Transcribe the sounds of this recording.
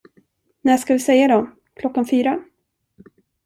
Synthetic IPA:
næːʂkavɪsɛjːad̪ɔ | kʰlɔkːanfyːɾa

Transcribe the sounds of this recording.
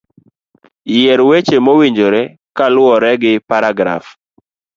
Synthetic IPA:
jeɾwet͡ʃemowiɲd͡ʒoɾɛ | kalʊɔɾɛɡɪpaɾaɡɾa̰f

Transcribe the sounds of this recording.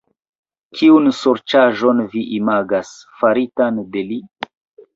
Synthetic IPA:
kʰiunsoɾt͡ʃaʒo̞nviʔimaɡasfaɾitande̞li

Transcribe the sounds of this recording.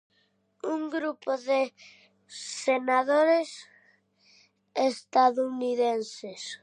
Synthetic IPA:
uŋɡɾupoðɪ | senaðoɾes | est̪aðuniðenses

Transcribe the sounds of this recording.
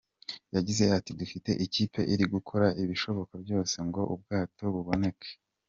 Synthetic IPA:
jaɟize̞atidufite̞̰ʔiciːpʰe̞ʔiɾiɡukʰoɾaʔiβiʃo̞βo̞kabjo̞ːse̞ŋɡo̞ʔub̚ɡaːto̞βuβo̞ne̞kʰe̥

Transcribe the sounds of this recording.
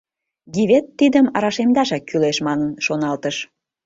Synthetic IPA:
ɡʲiβet̪ːid̪əmɑɾɑʃemd̪ɑʃɑkːyleʃmɑnənʃonɑlt̪əʃ

